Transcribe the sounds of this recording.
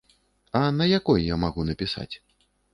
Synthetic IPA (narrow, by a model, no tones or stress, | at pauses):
ɐnɐjakɔjjamaɣunɐpʲisa̰t͡sʲ